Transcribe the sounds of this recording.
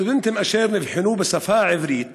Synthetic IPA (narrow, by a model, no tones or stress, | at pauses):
bɪnt̪ɪmʔaʃeːɾnifiħʊnuːbɪsafaːʕɪvɾiːt̪